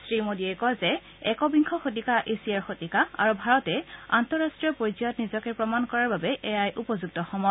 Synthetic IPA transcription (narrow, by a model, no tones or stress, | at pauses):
sɹimodiɛkɔzɛ | ɛkɔbiŋkʰɔxot̬ikaʔesiaɹxotikaa̰ɹubʱaɹɔtɛa̰ntɔɹastɹijɔpojziɔtnizɔkɛpɹɔmankɔɹaɹbabɛʔɛjajʔupɔzuɡ̚tɔxɔmɔ